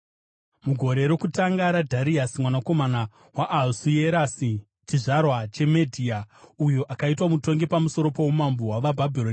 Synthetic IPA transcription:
muɡʱo̞ɾe̞ɾokutaŋɡaɾadʱaɾiasimwanako̞mana | waʔːlsujeɾasi | t͡ʃiʐarwat͡ʃe̞medʱiaujo̞ʔakaitwamuto̞ŋɡepamuso̞ɾo̞powumambowaʋabʱabʱironi

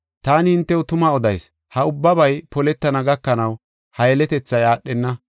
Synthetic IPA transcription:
t̪aːnɪhɪnt̪ːɛwʊt̪ʊmɐɔd̪ɐjs | hɐʊbːɐbɐjpɔlɛt̪ːɐnɐɡɐkːɐnɐw | hɐjɛlɛt̪ɛt͡sːɐjaːɗːɛnːɐ

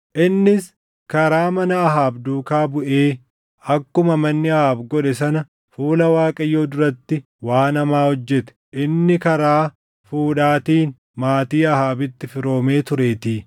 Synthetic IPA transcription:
ʔɪnːɪs | kɐɾaːmɐnɐːɦaːbd̪uːkaːbʊʔeː | ɐkːʊmɐmɐnːɪɐhaːbɡɔᶑɛsɐnɐ | fuːlɐwaːkʼɐjːoːd̪ʊɾɐt̪ːɪ | waːnɐmaːhɔd͡ʒːɛt̪ɛ̥ʔɪnːɪkɐɾaː | fuːᶑaːt̪iːn | maːt̪iːɐhaːbɪt̪ːɪfɪɾo̞ːme̞ːt̪ʊɾe̞ːt̪iː

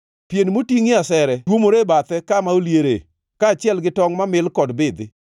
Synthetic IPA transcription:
pjenmotiŋɪasɛɾɛtwomoɾebat̪ɛkamaoljeɾḛ | kaːt͡ʃɪɛlɡɪtɔŋmamɪlkɔdbɪd̪ɪ

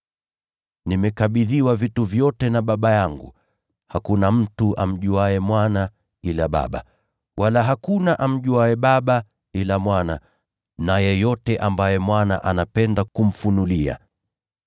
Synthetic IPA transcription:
nimɛkaɓiðiwavituvjɔtɛnaɓaɓajaŋɡṵ | hakunam̩tuʔa̰m̩ʄuaɛmwana | ilaɓa̰ɓa̰ | wʔalaɦakunaʔam̩ʄuaɛɓaɓa | ilamwana | najɛjɔtɛʔambajɛmwana̰ʔanapɛndakum̩funulia̰

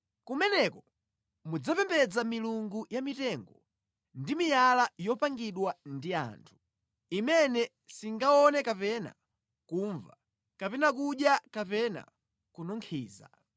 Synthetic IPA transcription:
kumɛnɛkɔ | mud͡zapɛmbɛd͡zamiluŋɡujamitɛŋɡɔ | ndimijalajɔpaŋɡiɗwandia̰ːntʰu̥ | imɛnɛ | siŋɡaɔnɛkapɛna̰ | kuːɱva | kapɛnak̬uɗjakapɛna̰ | kunɔŋkʰiːza̰

